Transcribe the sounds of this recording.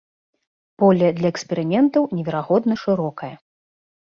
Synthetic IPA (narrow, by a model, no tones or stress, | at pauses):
pɔlʲɐd̪lʲɐɛksʲpʲɛɾɨmʲɛnt̪ɐwnʲɛvʲɛɾaɣɔd̪nɐʂɨɾɔkɐjɐ